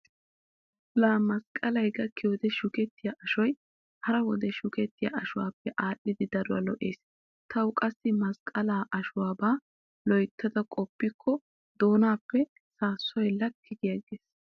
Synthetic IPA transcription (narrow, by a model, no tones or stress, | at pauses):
laːmɐskʼɐlɐjɡɐkɪwɔd̪ɛʃʊkɛt̪ːɪjaʔɐʃɔj | hɐɾɐwɔd̪ɛʃʊkɛt̪ːɪja̰ʔɐʃʊwa̰ːpːɛʔaːɗːɪd̪ɪd̪ɐɾʊwɐ̰lɔʔe̞ːs | t̪ʰɐwʊkʼɐsːɪmɐskʼɐlaːʔɐʃʊwaːbaː | lɔjt̪ʰːɐd̪ɐkʼɔpːɪkʰːɔ | d̪o̞ːnaːpːɛ | saːsːɔjlːɐkʰːɪɡɪjɐɡeːs